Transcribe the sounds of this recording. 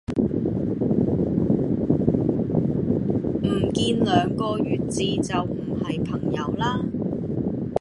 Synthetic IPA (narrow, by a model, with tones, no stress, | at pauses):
m̩˨˩kiː˧nlœː˨˧ŋkɔː˧jyː˨t̚t͡siː˧t͡sɐ˨wm̩˨˩hɐ˨jpʰɐ˨˩ŋjɐ˨˧wlaː˧